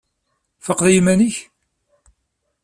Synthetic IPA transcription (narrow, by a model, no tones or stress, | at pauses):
fəqðjimæniç